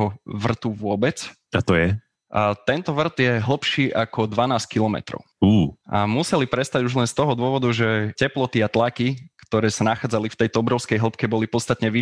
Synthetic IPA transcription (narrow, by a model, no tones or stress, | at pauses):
ɔʋr̩t̪uʋʊɔbɛt͡s | at̪ɔjɛ | ʔat̪ɛnt̪ɔʋr̩d̪jɛɦl̩ˠpʃiːʔakɔd̪ʋanaːskilɔmɛ̰t̪ɾɔ̰ʊuːʔamusɛlipɾɛst̪aɟuʒlɛnst̪ɔɦɔd̪ʊɔʋɔd̪uʒɛcɛplɔt̪iat̪lakikt̪ɔɾɛːsanaxaːd͡zalift̪ɛjt̪ɔɔbɾɔʊskɛjɦl̩pkɛbɔlipɔt̪st̪at̪ɲɛʋi